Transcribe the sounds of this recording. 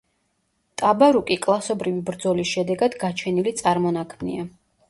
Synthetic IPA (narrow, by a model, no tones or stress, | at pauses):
t̪ʼabaɾukʼikʼlˠasɔbɾivibɾd̪zɔlisʃɛd̪ɛɡad̪ɡat͡ʃʰɛnilit̪sʼaɾmɔnakʰmnḭa